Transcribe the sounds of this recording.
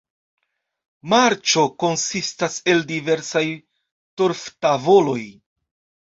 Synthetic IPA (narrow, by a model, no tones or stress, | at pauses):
maɾt͡ʃo̞ko̞nsistase̞ldive̞ɾsaj | toɾftavo̞lo̞j